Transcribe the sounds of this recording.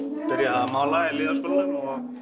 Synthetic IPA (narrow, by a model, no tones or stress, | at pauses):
pɪɾjaamaːwlaɛlɪːðaɾskoːlnɪnɔɣ